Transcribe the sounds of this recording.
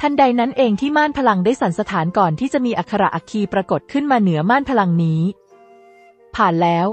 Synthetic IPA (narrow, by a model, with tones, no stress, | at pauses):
t̪ʰa˧nda˧jna˦˥nʔeː˧ŋt̪ʰiː˥˩maː˥˩npʰa˧la˧ŋdaː˥˩jsa˩˦nsa˧t̪ʰaː˩˦nkɔː˨˩nt̪ʰiː˥˩t͡ɕa˨˩ʔmiː˧ʔa˨˩kʰːa˧ɾa˨˩ʔa˨˧˩kʰiː˧pɾa˧ko˨˩t̪̚kʰɯ˥˩nmaː˧nɯ˩˦ɐmaː˥˩npʰa˧la˧ŋniː˦˥ | pʰaː˨˩nlɛː˦˥w